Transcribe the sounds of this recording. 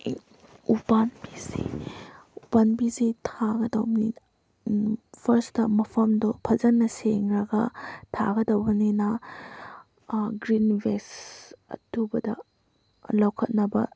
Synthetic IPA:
ubanbizḭ | ubanbizitʰaɡɐdɐwnin | pʰɐɾstɐmɐpʰɐmdɔpʰɐzɐnːɐseŋɾɐɡɐtʰa̰ɡɐdɐwɡɐninɐ | ɡɾinbesɐ̰tʰubɐdɐ | lawkʰɐt̚nɐbɐ̰

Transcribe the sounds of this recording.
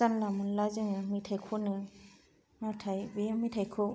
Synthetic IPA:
zanlamɯnlazɯŋɯmitʰajkʰɔnɯ | matʰajbemitʰajkʰɔ

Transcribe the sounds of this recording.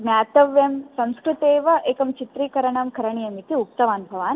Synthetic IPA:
mjaːt̪ɐʋjɐmsɐmskɾut̪eːʋɐʔeːkɐmt͡ʃit̪ɾiːkɐɾɐɳɐmkɐɾɐɳijɐmit̪iuk̚t̪ɐʋaːnbʱɐʋaːn

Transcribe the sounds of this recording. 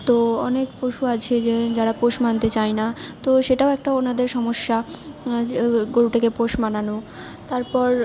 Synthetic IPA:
t̪oɔ̰nekpoʃuat͡ɕʰed͡ʑed͡ʑaɽapoʃmant̪et͡ɕajnat̪oʃeʈaoɛk̚ʈaonad̪eɾʃɔmoʃːa | ɡoɾuʈakepoʃmanano | t̪aɾpɔɾ

